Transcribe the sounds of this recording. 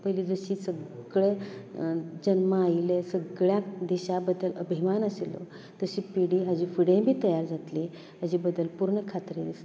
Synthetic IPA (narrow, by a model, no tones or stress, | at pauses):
pəjliːd͡zəɕiːsəɡɡɭe | d͡ʑənməailesəɡɭjakd̪iɕabəd̪ːələbʱimanəselo̰ | t̪əɕiːpiɽiːɦəd͡ʑiːfiɽẽbʱiːt̪əjaɾd͡zʱat̪li | əd͡ʑiːbəd̪ːəlpuɾɳəkʰat̪ɾes